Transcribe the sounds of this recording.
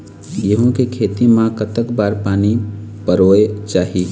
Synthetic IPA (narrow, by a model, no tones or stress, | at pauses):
jeɦõkekʰeːt̪imãkət̪əkbaːɾpaːnipəɾoːet͡ʃaːɦi